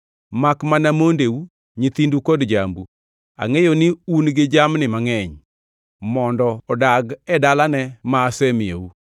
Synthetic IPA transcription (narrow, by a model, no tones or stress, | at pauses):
makmanamondeu | ɲit̪indukɔdd͡ʒa̰mbu | a̰ŋejonɪunɡɪd͡ʒamnɪmaŋɛɲ | mɔndɔɔdaɡɛdalanɛmaːsemɪḛu